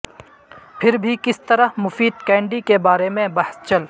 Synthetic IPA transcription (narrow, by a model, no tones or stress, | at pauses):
pʰɪɾbʱikɪst̪ɐɾəɦmʊfiːd̪̚kɛ̃ːɳɖikebaːɾemẽbɐɦst͡ʃɐl